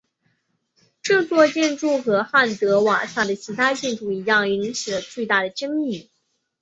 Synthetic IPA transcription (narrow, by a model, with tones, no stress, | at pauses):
ʈ͡ʂɤ˥˧t͡swɔ˥˧t͡ɕjɛ˥˧nʈ͡ʂu˥˩xɤ˧˥xa˥˩nt̪ɤ˧˥wa˨˩sa˥˩d̪ə˩t͡ɕʰi˧˥t̪ʰa˥t͡ɕi˥˩nʈ͡ʂu˥˩i˧˥jɑ˥˩ŋi˧˥nt͡ɕʰi˨˩lə˦t͡swe˥˧ɪt̪a˥˩d̪ə˩ʈ͡ʂə˥ŋi˥˩